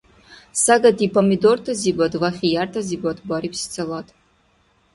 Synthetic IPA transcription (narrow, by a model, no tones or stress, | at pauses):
saɡatʰipʰamidortʰaziɡʷadvaχʲijartʰaziɡʷatʰʼbʷaɾipst͡sʰɨlatʼ